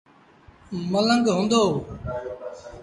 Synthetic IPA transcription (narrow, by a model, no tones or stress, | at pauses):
mələ̃ŋɡɦũːnd̪oː